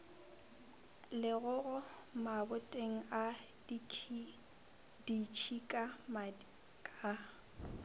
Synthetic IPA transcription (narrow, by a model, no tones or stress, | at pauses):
lɪɣʊɣʊ | mabʊtʼeŋ̩a | di | dit͡ʃʰikʼama | kʼa